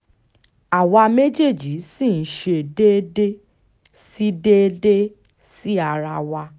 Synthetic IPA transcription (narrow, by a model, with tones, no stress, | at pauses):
a˨wa˧me˦d͡ʒe˦˨d͡ʒi˨˦si˦˨n̩˦ʃe˧de˦de˦ | si˦de˦de˦ | si˦a˧ɾa˧wa˧